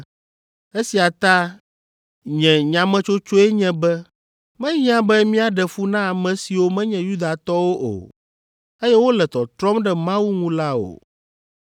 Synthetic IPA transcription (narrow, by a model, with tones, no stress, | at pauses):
e˦si˨a˨t̪ã˦ | ɲɛ̃˨ɲã˨mɛ̃˦t͡ʃo˦t͡ʃo˦ɛ˦ɲɛ̃˨bɛ˦ | mɛ̃˦ɲ˦ã˦bɛ˦mĩ˦a˨ɖɛ˨fu˦nã˦a˨mɛ̃˨si˨wo˦mɛ̃˦ɲɛ̃˨ju˦d̪a˨t̪ɔ˦wo˦ʔo̰˨ | e˦jɛ˦wo˦lɛ˨t̪ɔ˨t̪ɾɔ˦mɖɛ˦mã˦wu˦ŋũ˦la˦o̰˨